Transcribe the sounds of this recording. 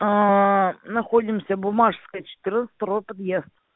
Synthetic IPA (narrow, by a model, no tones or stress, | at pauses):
nɐxoɔdʲɪmsʲɐbʊmɑʂskəjət͡ʃɪ̥t̪ɪɾnət̪st̪ɐɾopɐd̪jezd̪